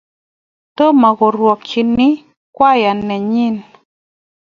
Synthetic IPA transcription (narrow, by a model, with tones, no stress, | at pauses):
to˦ma˨ɡɔ˨ɾwɔ˨k̚t͡ʃi˨nɪ˦ | kwa˦ja˨nːɛ˨ɲɪ˦˨n